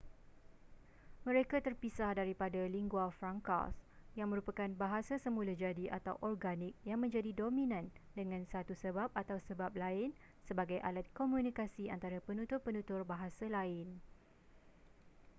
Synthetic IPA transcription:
mə̃ɾekat̪ərpisahdaɾipadaliŋɡuafɾaŋka̰sjaŋmə̃ɾupakanbaɦasasəmũlad͡ʒadiʔa̰t̪a̰wʔɔrɡanik̚jaŋmə̃ɲd͡ʒadidomĩnãndəŋãnsat̪usəbap̚at̪awsəbap̚laɪn | səbaɡajʔa̰lat̪̚komũnikasiant̪aɾapənũt̪ʊrpənũt̪ʊrbaɦasalaɪn

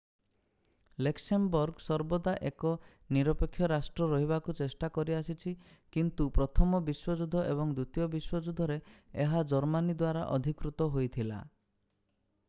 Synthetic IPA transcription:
leksembɔɾɡsɔɾbɔd̪aʔekɔ | niɾɔpekʰːjɔɾasʈɾɔɾɔɦiβakut͡ʃesʈakɔɾiasit͡ʃʰi | kint̪upɾɔt̪ʰɔmɔbiswɔd͡ʒud̪ʱɔʔeβɔŋd̪ut̪ijɔbiswɔd͡ʒud̪ʱɔɾeeɦad͡ʒɔɾmanid̪waɾa̰ʔɔd̪ʱikɾut̪ɔɦojt̪ʰila̰

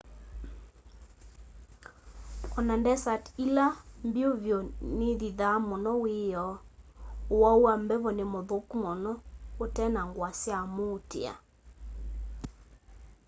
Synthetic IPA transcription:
ɔnandɛsatilambioβjɔneðiðamonɔwejɔowauambɛβɔnemoðokmɔnɔotɛnaŋɡwasjamotḛa̰

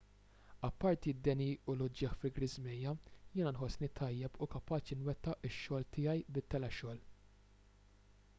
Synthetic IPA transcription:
ɐpːɐɾt̪id̪ːɛniːʊlʊd͡ʒɪxfɪɡɾɪzmɛjːɐjɪːnɐnħɔsːnit̪ʰɐjːɛpukɐpɐːt͡ʃinwɛt̪ːɐʔɪʃːɔːlt̪ʰɪːjɐjbɪt̪ːɛlɛʃɔːl

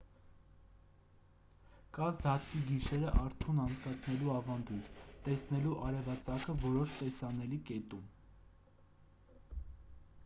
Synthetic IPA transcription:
kɑzɑt̪̚kiɡiʃɛɾəʔɑɾt̪ʰunɑnt͡sʰkɑt͡sʰnɛluɑvɑnd̪ujt̪ʰt̪ɛsnɛluʔɑɾɛvɑt͡sɑkəvɔɾɔʃt̪ɛsɑnɛlikɛt̪um

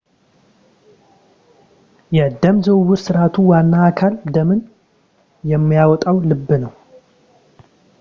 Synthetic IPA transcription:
jɛd̪əmzəwwʊɾsɨɾat̪ʰuwanːaːkʰald̪əmɨn | jɛmːijawɔt̪ʼawlɨbːɨnəw

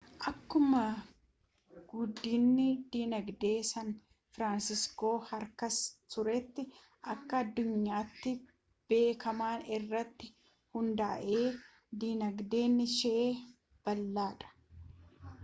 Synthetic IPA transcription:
ʔɐkːʊmɐ | ɡʊd̪ːiːnːɪd̪iːnɐɡd̪e̞ːsɐn | fɾaːnsɪsko̞ːhɐɾkɐst̪ʊɾɛt̪ːɪ | ʔɐkːɐɐd̪ːʊɲːaːt̪ːɪ | b̥e̞ːkɐmaːnɪrːɐt̪ːɪ | hʊnd̪a̰ːʔe̞ː | d̪iːnɐɡd̪e̞ːnːɪʃeeː | b̥ɐlːaːᶑɐ̥

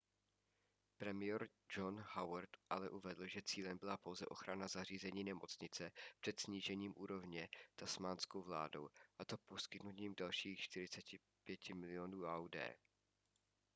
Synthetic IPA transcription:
pɾɛmɪjɛɾ | d͡ʒo̞nhawɾt̪ʔalɛʔuvɛdl̩ʒɛt͡siːlɛmbɪlapo̞wzɛʔo̞xɾanazar̝iːzɛɲiːnɛmo̞t͡sɲɪt͡sɛpr̝̥ɛt̪sɲiːʒɛɲiːmʔuːɾo̞vɲɛt̪asmaːnskowvla̰ːdowʔat̪o̞po̞skɪt̪nuciːmdalʃiːxʃt̪ɪɾɪt͡sɛcɪ | pjɛcɪmɪlɪonuːawdɛ̰ː

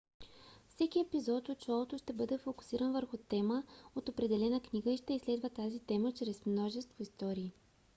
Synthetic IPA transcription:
fsɛkiɛpizɔt̪ot̪t͡ʃɔlˠot̪ʊʃt̪ɛbɤd̪ɛfokʊ̥siɾənvəɾxʊt̪ɛməot̪opɾɛd̪ɛlɛnəkniɡəiʃt̪ɛislɛd̪vət̪azit̪ɛmət͡ʃɾɛsmnɔʒɛst̪voist̪ɔɾiː

